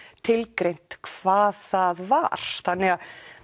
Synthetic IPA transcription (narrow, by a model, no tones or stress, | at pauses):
t̪ʰɪlkɾejn̥t̪kʰvaːðθaðva̰ɾ̥θanːɛɣa